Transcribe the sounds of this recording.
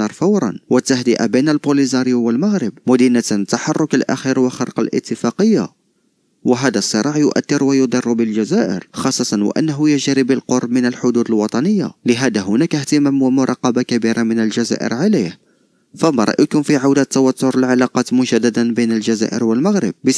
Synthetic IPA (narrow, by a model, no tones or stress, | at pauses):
ɑɾˤfɑwɾˤɑ̰nwət̪ːahd̪əʔa̰binəlbolizɑɾəjuwəlmaɣɾəbmʊd̪inat̪t̪ːaħɑrˤːʊkəlʔæ̰xiɾwəxɑɾˤqɑlʔə̰t̪ːəfɑqəjːa̰ | wəɦæd̪æsˤːəɾˤɑʕjʊʔæt̪ːəɾwæjʊd̪ˤɑrˤːbəlʒæzæʔə̰ɾxɑsˤːɑt̪ˤɑnwə̰ʔæ̰nːaɦʊjəʒɾibəlqoɾˤb̚mənəlħʊd̪ud̪əlwɑt̪ˤɑnəjːa̰ləɦæd̪æɦʊnækht̪əmæmwəmʊɾˤɑqːɑbakæbiɾʔamənəlʒæzæ̰ʔə̰ɾʕalih | fæmɑɾˤɑ̰ʔjakʊnfiʕawd̪æt̪ːawæt̪ːʊɾəlʕalɑqɑt̪mʊʒæd̪ːad̪anbinəlʒd͡ʒæzæ̰ʔə̰ɾwəlmaɣɾə̰b̚bə